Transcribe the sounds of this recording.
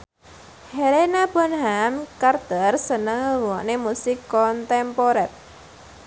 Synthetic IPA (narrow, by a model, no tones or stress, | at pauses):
helenab̥ɔ̤nɦamkard̪̥ərsənəŋɾuwɔʔnemusɪkːɔnt̪ɛmpoɾɛt̪̚